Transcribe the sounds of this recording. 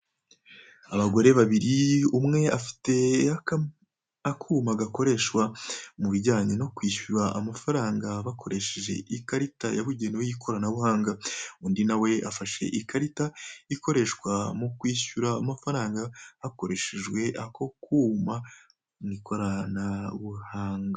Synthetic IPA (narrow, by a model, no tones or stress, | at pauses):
aβaɡo̞ɾe̞βaβiɾiumŋe̞afi̥te̞ | akʰuːmaɡako̞ɾe̞ʃwamuβiɟaːɲeno̞kwiːɕuɾaʔːmafaɾaːŋɡaβakʰo̞ɾe̞ʃeʒe̞̰ʔikaɾita̰jaβuɟe̞niwejikʰo̞ɾanaβuhaːŋɡaundinawe̞afaʃe̞̰ʔikʰaɾitaiko̞ɾe̞ʃwamokwiːʃuɾaːmafaɾaːŋɡahako̞ɾe̞ʃeʒwe̞ʔako̞kuma | nikʰo̞ɾanaβuhaːŋɡa